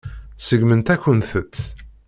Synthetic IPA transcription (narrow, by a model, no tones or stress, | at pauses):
səɡmənt̪ækʷːənθət̪ː